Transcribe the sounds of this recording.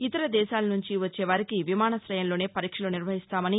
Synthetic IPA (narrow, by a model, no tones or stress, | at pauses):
it̪ɐɾɐd̪ɛːʃaːlɐnuɲt͡ʃiʋɐt͡ʃːeːʋaːɾikiʋimaːnɐsɾɐjɐnlo̞ːne̞ːpɐɾiːkʂɐloːniɾʋɐɦist̪aːmɐni